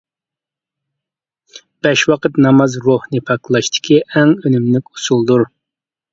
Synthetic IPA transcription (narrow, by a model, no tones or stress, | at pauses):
b̥ɛʃwɑqʰət̪nɑmɑzɾohnɨpʰɑklˠɑʃt̪ʰɪ̥kʲiʔæŋønymlɪkʲu̥sulˠd̪uɾ